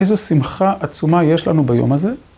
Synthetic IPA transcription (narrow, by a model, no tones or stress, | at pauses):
ejzusimχaʔat͡sumaje̞ʃlanubajo̞̰maze̞